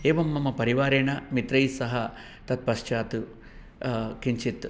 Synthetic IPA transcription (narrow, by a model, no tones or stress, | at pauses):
eːʋɐmːɐmɐpɐɾiʋaːɾeːɳɐmit̪ɾɐjsɐɦɐ | t̪ɐt̪̚pɐʃt͡ʃaːt̪u | kiɲt͡ʃit̪